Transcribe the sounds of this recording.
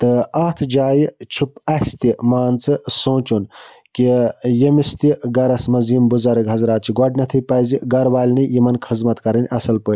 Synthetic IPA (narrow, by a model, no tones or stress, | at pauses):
t̪ɨɐːt̪ʰd͡ʒaːjt͡ʃʰupɐst̪imaːnt͡sɨsõːt͡ʃun | kijemist̪iɡɐɾɐsmɐzimbuzɐɾɐɡɦɐzɾaːt̪̚t͡ʃʰiɡɐɖnɐt̪ʰɐjpɐːziɡɐɾʋaːlʲnɨjimɐnkʰɨzmɐt̪kɐɾɐnʲɐsɐlpəː